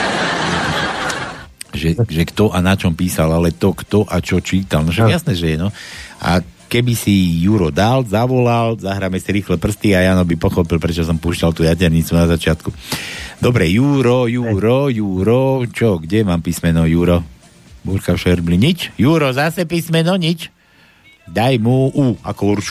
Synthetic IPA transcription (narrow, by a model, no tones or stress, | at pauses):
ʒɛʒɛkt̪ɔʔanat͡ʃɔmpiːsalalɛt̪ɔkt̪ɔʔat͡ʃɔt͡ʃiːt̪alnɔʃaɡɛjasnɛːʒɛjɛnɔa̰kɛbisijuːɾɔd̪alzaʋɔlalzaɦɾamɛsiɾiːxlɛpr̩st̪iajaːnɔbipɔxɔpilpɾɛt͡ʃɔs̬ɔmpuːʃcalt̪uːjacɛɾɲit͡sunazat͡ʃɪat̪kud̪ɔbɾɛjuːɾɔjuːɾɔjuːɾɔt͡ʃɔɡɟɛmaːmpismɛnɔjuːɾɔ | buɾkafʃɛɾbliɲit͡ʃjuːɾɔzasɛpismɛnɔɲit͡ʃ | d̪ajmuuakɔuɾt͡ʃ